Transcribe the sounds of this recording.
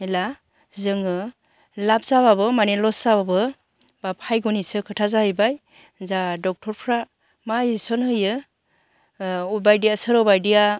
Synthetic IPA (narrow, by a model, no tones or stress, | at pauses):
ela | zɯŋɯ | lap̚zaβabɯmanelɔszababɯ | bapʰajɡɔnisɯkʰɯtʰazaɦɯjbaj | zadɔk̚tʰɔɾpʰɾa | majsɔnhɯjɯ | ubajdijasɯɾɔbajdija